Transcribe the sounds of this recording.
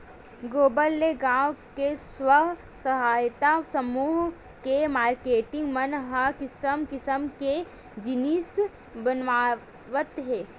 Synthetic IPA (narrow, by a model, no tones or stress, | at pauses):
ɡoːbəlːeɡãːʋkeswəɦ | səɦaːjt̪asəmuːɦ | kemaːɾkeːʈɪ̃ŋɡmənɦakɪsəmkɪsəmke | d͡ʒɪnis | bənʋaː | ʋət̪ɦɛː